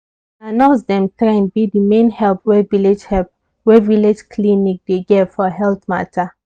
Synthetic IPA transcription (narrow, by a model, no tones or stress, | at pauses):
anãʊs̬dɛ̃mtɹɛ̃nbidimẽnhɛlpwɛviled͡ʒɛ | wɛviled͡ʒkʰlinik̚d̥eɡɛtfɔɦɛlθma̰tʰa